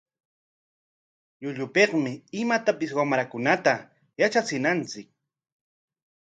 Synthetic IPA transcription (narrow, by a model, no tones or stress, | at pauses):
ʎʊʎʊpeqmɪɪmat̪apɪswamɾakʊnat̪a | jat͡ʃat͡sɪnant͡sɪk̚